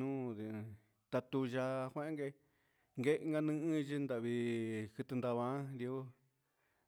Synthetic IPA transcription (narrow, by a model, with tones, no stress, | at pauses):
nũ˦ði˧ | t̪a˧t̪u˧ʒa˧kʷẽ˦ʔŋɡe˧ | ŋɡe˦ʔŋɡa˧nɨ̃˦˧ʔɨ̃˦˧ʒi˦nd̪a˧˨βi˧kɨ˧t̪ɨ˧nd̪a˧βã˧˦d̪jo˦